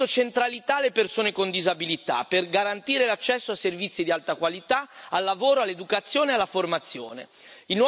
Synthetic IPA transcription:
ot͡ʃent̪ɾalit̪aːlːepersoːnekond̪izabilit̪a̰pːerɡaɾant̪iːɾelat͡ʃːɛsːoasːervit̪sːid̪ialt̪akwalit̪aalːavoːɾoalːed̪ukat̪sːjoːnealːaformat̪sːjo̰ːnḛ | inw

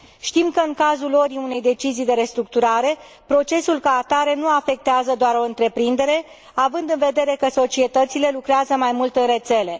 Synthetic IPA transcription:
ʃt̪imkəɨŋkazulo̞ɾiune̞jd̪e̞t͡ʃizijd̪e̞ɾe̞st̪ɾuk̚t̪uɾaɾe̞ | pɾo̞t͡ʃe̞sulkaːt̪aɾe̞nuafe̞k̚t̪eazəd̪oaɾo̞ɨnt̪ɾe̞pɾind̪e̞ɾe̞ | avɨnd̪ɨnve̞d̪e̞ɾe̞kəso̞t͡ʃie̞t̪ət̪sile̞lukɾeazəmajmult̪ɨnre̞t̪se̞le̞

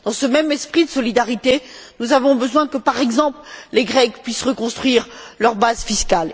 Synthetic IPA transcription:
d̪̥ɑ̃səmɛmɛspχid̪əsɔlid̪aʁit̪enuzavɔ̃bəzwɛ̃kəpaʁɛɡzɑ̃plleɡʁɛkpɥisʁəkɔ̃st̪χɥiʁlœʁbazfiskal

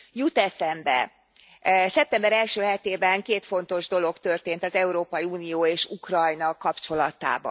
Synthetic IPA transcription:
jut̪ɛsɛmbɛ̰ | sɛp̚t̪ɛmbɛɾɛlʃøːɦɛt̪eːbɛŋkeːt̪fo̞n̪t̪o̞ʒd̪o̞lo̞kt̪ø̞rt̪eːnt̪ɒzɛuɾoːpɒjiuːnijoːeːʃukrɒjnɒkɒpt͡ʃo̞lɒt̪a̰ːbɒ̰n

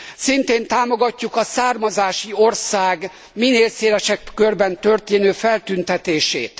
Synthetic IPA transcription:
sint̪eːnt̪aːmo̞ɡɒcːukɒsaːrmɒzaːʃio̞rsaːɡ | mineːlseːlɛʃɛkːørbɛnt̪ø̞rt̪eːnøːfɛlt̪ynt̪ɛt̪eːʃḛːt̪

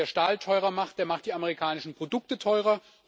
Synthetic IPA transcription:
ɐʃtaːltʰɔʏʁɐmaχt̚d̥eːɐmaχtd̥iːaməʁikʰaːnɪʃn̩pʁ̥odʊk̚tətʰɔʏʁɐ

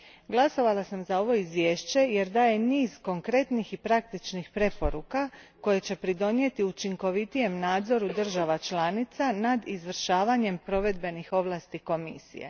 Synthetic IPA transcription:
ɡlˠaso̞ʋalˠasamzao̞ʋo̞izʋje̞ːʃt͡ɕe̞je̞ɾd̪aːje̞niːzko̞ŋkɾe̞t̪nixipɾak̚t̪it͡ʃnixpɾe̞po̞ɾukako̞jet͡ɕe̞pɾid̪o̞nje̞t̪iut͡ʃiŋko̞ʋit̪ije̞mnaːd̪zo̞ɾud̪r̩ʒaʋat͡ʃlanit̪sanad̪izʋr̩ʃaːʋaɲe̞mpɾo̞ʋe̞d̪̚be̞nixo̞ʋlˠaːst̪iko̞mḭsḭjḛ

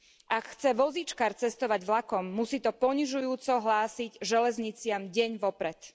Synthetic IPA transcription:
ʔakxt͡sɛʋɔzit͡ʃkaːɾt͡sɛst̪ɔʋaɟʋlakɔmːusiːt̪ɔpɔɲiʒujuːt͡sɔɦlaːsiɟʒɛlɛzɲit͡sɪamɟɛɲʋɔpɾɛt̪

